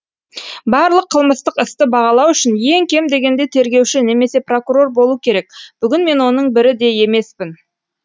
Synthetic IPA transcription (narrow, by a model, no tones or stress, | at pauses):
bɑɾlˠəqʰːəlˠməst̪əqɪst̪ɪbɑʁɑlˠɑwʏʃɪnje̞ŋkʲʰe̞md̪e̞ɡʲe̞nd̪e̞t̪ʰe̞ɾɡʲe̞wʃɪne̞me̞se̞pro̞kuɾo̞rbo̞lˠuəkʲʰe̞ɾe̞k̚b̥ʏɡʲɪnme̞nwo̞nəɴbɪɾɪd̪e̞je̞me̞spɪn